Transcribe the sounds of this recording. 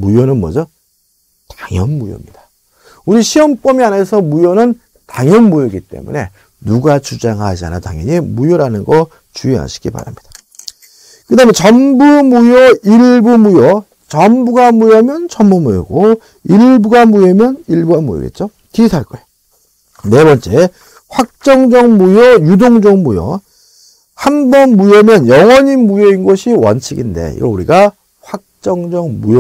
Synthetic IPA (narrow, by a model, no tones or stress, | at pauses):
mujonɯnmʌd͡ʑʌ | taŋjʌnmujo̰mɲid̥ḁ | uɾiɕʰiwʌmp͈ʌmiane̞sʰʌmujonɯn | taŋjʌnmujoɡit͈e̞̰mṵne̞ | nuɡat͡ɕud͡ʑaŋad͡ʑia̰nataŋjʌ̰ɲimujoɾanɯnɡʌ | t͡ɕuia̰ɕʰi̥ɡipa̰ɾa̰mɲid̥ḁ | kɯdament͡ɕʌnbumujoiɭbumujʌ | t͡ɕʌmbuɡamujʌmjʌnt͡ɕʌmbumujo̰ɡo | iɭbuɡamujemjʌniɭbuɡamṵjʌ̰ɡḛt̚t͡ɕ͈o | kisʰaɭk͈ʌje | ne̞bʌnt͡ɕ͈e̞ | ɸwak̚t͡ɕ͈ʌŋd͡ʑʌŋmujʌjudoŋd͡ʑʌŋmujʌ̰ | hanbʌnmujʌmjʌnjʌŋwʌɲimːujeinɡʌɕʰiwʌ̰nt͡ɕʰiɡinde̞̰jo̰uɾiɡa | ɸwak̚t͡ɕ͈ʌŋd͡ʑʌŋmujʌ